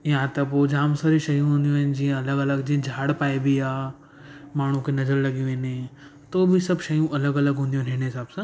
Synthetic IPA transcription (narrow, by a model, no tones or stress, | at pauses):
ɪjãt̪ɐpoːd͡ʑaːmsəɾiʃɐjũɦũːnd̪ijũɦɪnɪ̆d͡ʑĩːãɐləɡɐləɡd͡ʑĩːɐ̃d͡ʑʱaːɽpaːebʱiaː | maːɳ̤ũkʰenɐzəɾlɐɠiũʋẽːne | t̪oːbʱɪsɐbʃɐjũʔɐləɡɐləɡɦũːnd̪iũɦnɦɪnɪsaːbsã